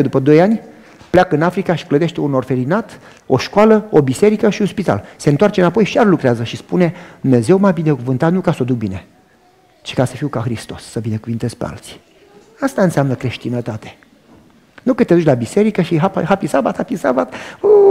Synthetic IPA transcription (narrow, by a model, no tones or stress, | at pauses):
əd̪upəd̪o̞janʲ | pleakɨnafɾikaʃi̥kləd̪eʃt̪eunorfe̞linat̪ | o̞ʃkwaləobise̞ɾikəʃiunspit̪a̰lse̞nt̪oart͡ʃeɨnapo̞jʃiarlukɾeazəʃispune̞d̪umne̞ze̞wmabine̞kuvɨnt̪at̪nukasəod̪uk̚bine̞ | t͡ʃi̥kasəfiwkaxɾist̪o̞sːəbine̞kuvint̪e̞z̥pea̰lt̪si̥ | ast̪aɨnseamnəkɾe̞ʃt̪inət̪at̪e | nukɨt̪ed̪ut͡ʃʲlabise̞ɾikəʃiɦapa̰ɦapisabat̪hapisa̰bat̪